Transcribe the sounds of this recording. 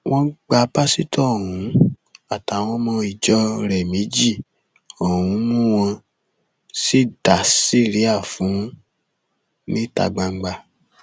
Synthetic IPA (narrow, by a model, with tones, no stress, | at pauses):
w̃ʔɔ̃˧˦ɡ͡ba˧˦pa˦si˦tɔ˦˨ɦũ˨˦a˦˨ta˨˦w̃ɔ̃˧˦mɔ̃˧i˨d͡ʒɔ˦ɾɛ˨mĩ˨˦d͡ʒi˦˨ | o˨wũ˨˦mũ˦w̃ɔ̃˧ | si˦da˨si˦˨ɾi˦a˦˨fũ˨˦ | nĩ˦ta̰˧˨ɡ͡ba˧ŋ͡m̩˨˦ɡ͡ba˧